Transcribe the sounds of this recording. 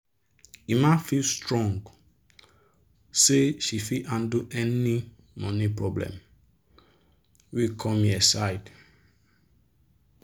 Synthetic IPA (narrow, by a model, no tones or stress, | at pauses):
imãfilstɹɔ̃ŋɡ | seʃifiʔãnduʔɛni | mɔ̃nipɹɔblɛ̰̃m | wikʰɔ̃miasajd